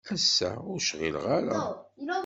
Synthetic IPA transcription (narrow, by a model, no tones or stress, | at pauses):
æsːæ̰ʊɾʃʁḭlʁaɾæ